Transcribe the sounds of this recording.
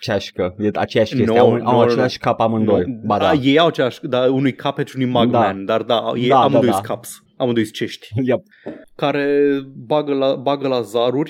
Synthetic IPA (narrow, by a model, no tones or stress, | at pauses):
t͡ʃeaʃkəjea̰t͡ʃejaʃnenoaawat͡ʃelaʃʲkapamɨnd̪ojd̪ad̪ajejawat͡ʃelaʃkəd̪aunujkʰapet͡ʃunujmaɡd̪mɛnd̪ard̪a̰jejamɨndojsakʰaps | amɨnd̪ojst͡ʃe̞ʃt̪ʲja | kaɾe̞baɡəlabaɡəlazaɾurʲ